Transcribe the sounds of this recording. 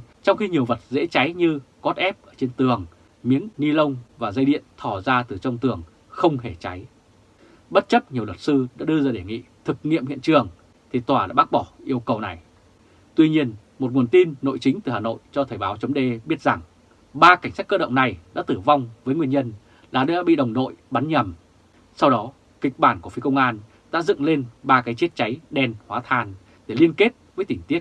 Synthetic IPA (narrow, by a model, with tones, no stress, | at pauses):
t͡ɕɔ˧wŋ͡mxi˧ɲi˨˩əwvə˨˩t̚zḛ˧˥t͡ɕa˨˦jɲɨ˧kɔ˦˥t̚ʔɛ˦˥p̚ʔəː˧˩t͡ɕe˧nt̪ɨ˨˩əŋ | mi˨˦ənŋi˧lə˧wŋ͡mvaː˨˩zə˧jɗḭ˧˨ənt̪ʰɔ˧˩zaː˧t̪ɨ˨˩t͡ɕə˧wŋ͡mt̪ɨ˨˩əŋ | xə˧wŋ͡mhe˧˩t͡ɕa˨˦j | ɓə˦˥t̚t͡ɕə˦˥t̚ɲi˨˩əwə˨˩t̚sɨ˧ɗa̰ː˧˥ɗɨ˧zaː˧˩ɗe˧˩ŋḭ˧˨t̪ʰɨ˨˩k̚ŋḭ˧˨əmhḭ˧ənt͡ɕɨ˨˩əŋ | t̪ʰi˨˩t̪waː˧˩la̰ː˧˥ɓa˦˥k̚ɓɔ˧˩ʔi˧əwkə˨˩wna˨˩j | t̪wi˧ɲi˧ən | mo˨˩t̚ŋu˨˩ənt̪i˧nːo̰˧˨jt͡ɕï˨˦ŋ̟t̪ɨ˨˩haː˨˩no̰˧˨jt͡ɕɔ˧t̪ʰəː˨˩jɓaː˨˦wt͡ɕə˨˦wŋ͡mɗe˧ɓi˦˥ət̚za˨˩ŋ | ɓaː˧ka˧˩ŋ̟saː˦˥k̚kəː˧ɗə̰˧˨ŋ͡mna˨˩jɗa̰ː˧˥t̪ɨ˧˩va˧wŋ͡mvəː˨˦jŋwi˧ənɲə˧n | ɗaː˨˩ɗa̰ː˧˥ɓḭ˧˨ɗə˨˩wŋ͡mno̰˧˨jɓa˨˦nɲə˨˩m | sa˧wɗɔ˨˦ | ki˨˩k̟̚ɓaː˧˩nku˧˩fi˨˦kə˧wŋ͡mʔaː˧n | ɗa̰ː˧˥zɨ̰˧˨ŋle˧nɓaː˧kaː˨˦jt͡ɕi˦˥ət̚t͡ɕa˨˦jɗɛ˧nhwaː˨˦t̪ʰaː˧˩n | ɗe˧˩li˧ənke˦˥t̚vəː˨˦jt̪ï˧˩ŋ̟t̪i˦˥ət̚